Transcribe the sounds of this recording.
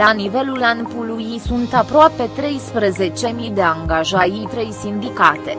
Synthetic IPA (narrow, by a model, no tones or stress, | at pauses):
anive̞lulanpulujisunt̪apɾoape̞t̪ɾe̞jspɾəze̞t͡ʃe̞mid̪e̞aŋɡaʒajit̪ɾe̞jsind̪ikat̪e̞